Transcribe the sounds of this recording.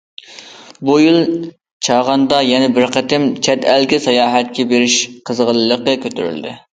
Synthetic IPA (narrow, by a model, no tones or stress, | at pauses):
bujilˠ | t͡ʃʰɑʁɑnd̪ɑjɛnɪbɪɾqət̪ɪmt͡ʃʰɛt̪ælɡʲɪsɑjɑːɦɛt̪̚kʲɛbeɾɪʃqʰəzʁəlˠɨːəqəkʲøt̪yɾy̰ld̪ɪ